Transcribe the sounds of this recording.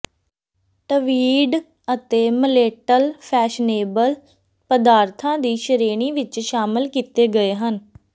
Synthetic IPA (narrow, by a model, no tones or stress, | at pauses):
ʈəʋiːɖ | ət̪eːməleːʈəlpʰɛːʃneːbəl | pəd̪aːɾt̪ʰãːd̪iːʃəɾeːɽ̃iːʋɪt͡ʃʃaːmɪlkiːt̪eːɡəeːɦən